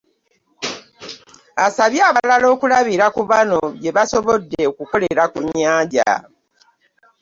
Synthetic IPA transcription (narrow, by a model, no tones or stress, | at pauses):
asaβjaːβalalo̞ːkulaβiɾakuβano̞je̞βaso̞βodːe̞okuko̞le̞ɾakuɲːaːɟa̰